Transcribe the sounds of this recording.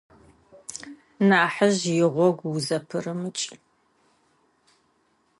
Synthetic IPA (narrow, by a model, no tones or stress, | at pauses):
naːħəʑjɪʁʷɔɡʷwuzɐpʰɨrɨmɨt͡ʃʼ